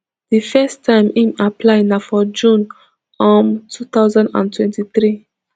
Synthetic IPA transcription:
ðifɛstʰãɪ̃mĩmapʰlaɪnafɔd͡ʒũn | ɔ̃mtʰut̪aʊzãndã̰ntʰwɛ̃ntiθɹi

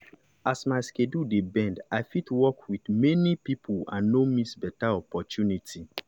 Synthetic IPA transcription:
asmaɪskedudebɛ̃ndaɪfitwɔkwidmɛnipipʰuã̰nːomĩsbɛtaɔpɔtjunitʰi

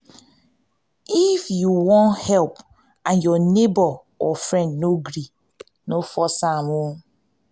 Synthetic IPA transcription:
ifjuwɔ̃nhɛlp | ãnjɔnebɔ | ɔfɾɛ̃ndnoɡɾi | nofɔsamu

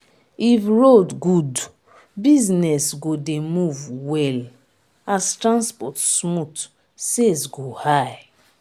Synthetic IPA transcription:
ifɹodɡud | biznɛsɡodemuvwɛl | astɹãnspɔtsmut | sesɡohaj

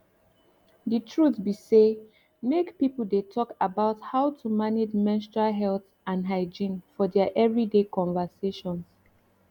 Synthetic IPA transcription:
ditʰɹutbise | mekpipl̩detʰɔkabaʊthaʊtʰumaned͡ʒmɛ̃nstɹaɦɛlθ | ãnɦaɪd͡ʒĩnfɔdɛaʔɛvɹidekɔ̃ɱvəseʃɔ̃ns

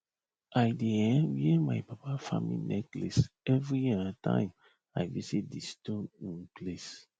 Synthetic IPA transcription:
ajdeɛ̃wiɛmajpapafamḭnɛklḛsɛvɹijiãtʰã̰ɪ̃m | a̰jvisit̚distõnĩnples

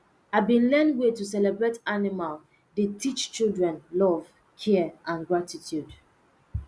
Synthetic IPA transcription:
aɪbĩnlɛ̃ndwetusɛlɛbɹetanimal | detʰit͡ʃt͡ʃildɹɛ̃nlɔv | kʰɛʔãnɡɹatitʰjud

